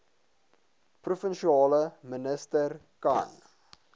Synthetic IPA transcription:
prufənʃiɑːləmənəstər | ka̰n

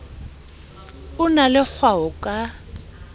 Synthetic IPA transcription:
ʊnalɪk͡xʰwaʊkʼa

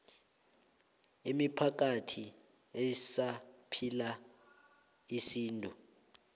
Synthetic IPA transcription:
imipʰak̬atʰi | ɛsapʰila | isiːntʼu

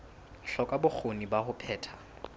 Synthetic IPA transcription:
ɬɔkʼabʊk͡xʰonibahʊpʰɛːtʰa

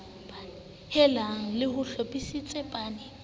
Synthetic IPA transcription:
hɛlaŋ̩lɪhʊɬɔpʼisit͡sʼɛpʼaːnɪ

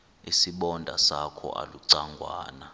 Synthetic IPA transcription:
isiɓɔndʱasakʰɔ̰ʔa̰luǀaŋɡʱwaːna

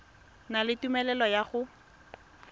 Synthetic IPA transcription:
nalɪtumɛlɛlɔjaχʊ

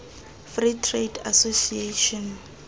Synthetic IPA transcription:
fritʰreda̰sosieʃɔn

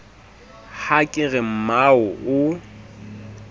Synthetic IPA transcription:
hakʼɪɣɛm̩maʊʔʊ

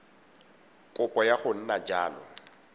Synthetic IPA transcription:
kʼʊpʼɔjaχʊn̩nad͡ʒaːlɔ̰

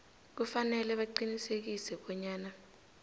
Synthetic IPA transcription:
k̬ufanɛlɛɓaǃinisek̬isɛɓɔɲaːna

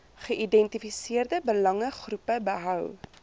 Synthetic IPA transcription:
χəʔidɛntifisiərdəbəlɐŋəχrupəbəɦœw

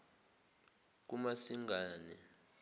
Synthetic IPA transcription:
k̬umasiŋɡʱaːni

